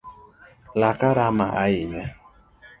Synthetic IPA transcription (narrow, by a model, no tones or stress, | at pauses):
lakaɾamaʔajɪɲe